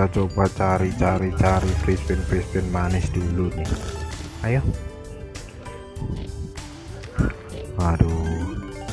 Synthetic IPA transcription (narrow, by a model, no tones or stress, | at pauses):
at͡ʃobat͡ʃaɾit͡ʃaɾit͡ʃaɾifɾispɪnfispɪnmanɪsd̪̥ulunɪ | ajɔ | wadu